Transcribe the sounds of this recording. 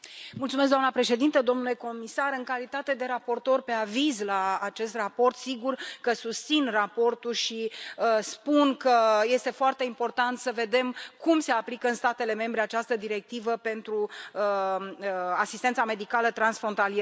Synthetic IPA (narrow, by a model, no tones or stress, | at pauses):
mult̪sumes̬ɡd̪amnəpɾe̞ʃe̞d̪int̪əd̪o̞mnule̞ko̞misaɾɨŋkalit̪at̪e̞d̪e̞ɾapo̞rt̪o̞rpe̞avizlaːt͡ʃe̞st̪rapo̞rt̪siɡurkəsust̪sinrapo̞rt̪ulʃiəspunkəje̞st̪e̞foart̪e̞impo̞rt̪ant̪səve̞d̪e̞mkumse̞aplikəɨnst̪at̪e̞le̞me̞mbɾe̞at͡ʃast̪əd̪iɾe̞k̚t̪ivəpe̞nt̪ɾuə | asist̪ensame̞d̪ikalət̪ɾansfɾo̞nt̪alie